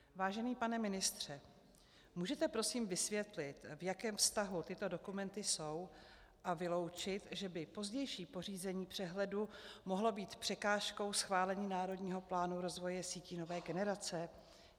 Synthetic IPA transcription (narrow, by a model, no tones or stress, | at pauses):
vaːʒɛniːpanɛmɪnɪst̪r̝̥ɛ | muːʒɛt̪ɛpɾo̞siːmvɪsvjɛt̪lɪt̪vjakɛːmfst̪aɦut̪ɪt̪o̞do̞kumɛnt̪ɪso̞w | ʔavɪlo̞wt͡ʃɪt̪ʒɛbɪpo̞zɟɛjʃiːpo̞r̝iːzɛɲiːpr̥ɛɦlɛdumo̞ɦlo̞biːt̪pr̥ɛkaːʃko̞wsxvaːlɛɲiːnaːɾo̞dɲiːɦo̞plaːnuɾo̞zvo̞jɛsiːcino̞vɛːɡɛnɛɾat͡sɛ